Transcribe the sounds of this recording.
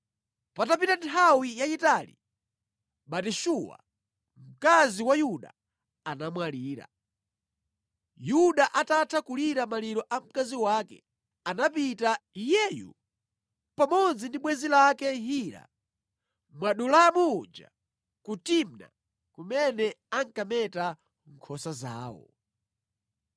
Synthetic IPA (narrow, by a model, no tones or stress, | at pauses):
patapitantʰawijajitalḭ | ɓatiʃuwa̰ | m̩kaziwajuɗa̰ | anamwaliːɾa̰ | juɗaʔatatʰakuliɾamaliɾɔʔam̩kaziwaːkɛ̰ | anapitaijɛːjṵ | pamɔnzindiɓwɛzilakɛɦiːɾa̰ | mwaɗulamud͡ʒa̰ | kutimna̰ | kumɛnɛaŋkamɛta | ŋkʰɔsaza̰ːwɔ̰